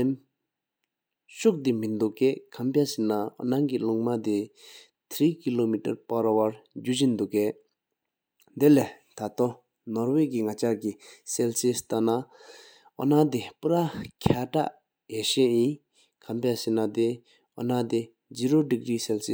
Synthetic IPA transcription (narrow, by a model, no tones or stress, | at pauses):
em | ɕuk̚d̪imind̪uʔkeʔkʰampasinaɔ̰naŋkiluŋmad̪e | t̪ʰɾiːkilomita̰ɹpaɹawaɹd͡ʑuɕind̪uʔkeʔ | d̪ele | t̪ʰat̪o | nɔɹwek̬iŋat͡ɕakiselsist̪ana | ʔɔ̰nad̪epuɾakʰaʈ͡ʂa̰ʔ | jeɕeʔjin | kʰampasinat̪e | ɔnat̪e | d͡ʑiːɾodikriːselsi